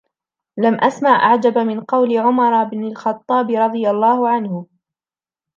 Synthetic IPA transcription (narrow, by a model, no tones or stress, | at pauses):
lamʔasmaʕʔa̰ʕd͡ʒabmɪnqɑwlɪʕʊmɑɾˤbnalxɑt̪ˤːɑːbɪɾˤɑd̪ˤɨjalˤːɑːhʊʕanhʊ